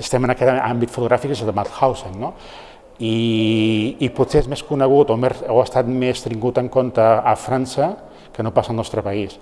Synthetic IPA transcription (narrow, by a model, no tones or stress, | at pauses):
st̪ɛmənɐkɛt̪a̰mbit̪fut̪uɣɾafikesəlðəmat̪xawseŋno | iː | put̪seezmeskunəɣ̞ut̪omeroast̪at̪mest̪ɾiŋɡut̪əŋkont̪əːfɾansə | kənopasəlˠnɔst̪ɾəpɐis